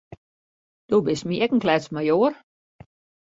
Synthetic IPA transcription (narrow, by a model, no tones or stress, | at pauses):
d̥oːbɪsmiɛkn̩klɛt͡smajoər